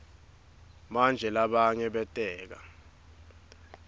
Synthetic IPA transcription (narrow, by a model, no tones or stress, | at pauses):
mand͡ʒʱɛlaɓaɲɛɓɛtʼɛːk̬a